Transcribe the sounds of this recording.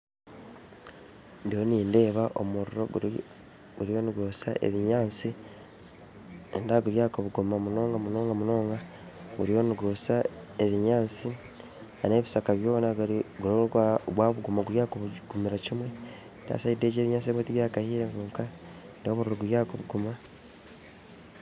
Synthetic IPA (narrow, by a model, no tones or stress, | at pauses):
ndijo̞niːnde̞ːβaʔomuɾuɾo̞ɡu | ɡuɾijo̞ːnuɡo̞sa̰ʔḛβiɲaːnt͡si | endaɡuɾjaːkoβuɡumamuno̞ːŋɡamuno̞ːŋɡamuno̞ːŋɡa | ɡuɾio̞ːniɡosaeβiɲaːnt͡si | ane̞ːβisakaβjo̞ːnaɡɡunoɡwaːβuɡumaɡuɾjaːkoβuɡumiɾacimwe̞ | nda̰ːsaide̞ːɟe̞ːβiɲaːnt͡sieβwetiβjaːkahiːɾekuːŋka | ndiomuɾuɾoɡuɾjaːkoβuɡuma